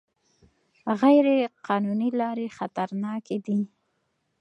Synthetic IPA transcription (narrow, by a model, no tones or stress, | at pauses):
ɣajɾeqʰɑnunilɑɾexat̪aɾnɑked̪i